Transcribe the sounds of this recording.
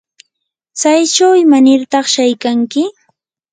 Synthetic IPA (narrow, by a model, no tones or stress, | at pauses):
t͡sajt͡ʃawɪmanɪɾt̪ɑχʃajkaŋkɪ